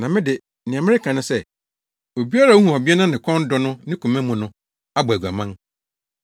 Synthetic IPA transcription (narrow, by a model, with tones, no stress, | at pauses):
nã˨mɪ̃˦dɪ˨ | nɪ̃˨ã˨mɪ̃˦ɾɪ˦kʰã˨nʊ̃˦sɛ˦ | o˨bi˦a˦ɾa˦˨u˦hũ˨a˨bi˦a˦nã˦nɪ̃˨kʰɔ̃˦n˦dɔ˦nʊ̃˦nɪ̃˦kʰũ˨mæ̃˦mũ˨nʊ̃˦ | a˦bæ˨ɡa˨mã˦n